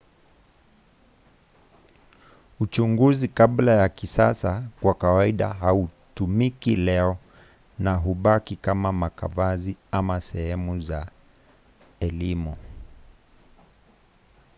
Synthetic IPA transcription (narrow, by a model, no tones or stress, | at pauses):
ut͡ʃuŋɡuzikaɓlajakisasakwakawaiɗa̰ɦautumikilɛɔ | naɦuɓakikamamakavaziamasɛhɛmuza | ɛlimu